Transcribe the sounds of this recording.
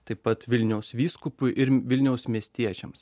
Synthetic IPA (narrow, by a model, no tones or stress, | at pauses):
t̪ɐɪpɐt̪ʋʲɪlʲnʲɛʊsʋʲiːskʊpʊjʔɪɾʋʲɪlʲnʲɛʊsmʲiɛsʲt̪ʲiɛt͡ʃʲɛms